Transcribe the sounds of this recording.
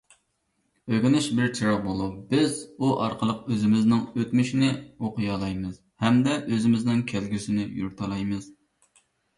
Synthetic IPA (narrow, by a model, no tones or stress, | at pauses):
øɡʲɪnɪʃbɪɾt͡ʃʰiɾɑʁ̚bolˠupbɪzuʔɑɾqʰəlˠəq̚øzɪmɪznɪŋøt̪myʃinɪoqʊjɑːlˠɑjmɨz̥ | hɛmd̪ɛʔøzɪmɪznɪŋkʲʰælɡʲysɪnɪjṵɾt̪ʰɑlˠɑjmɨz̥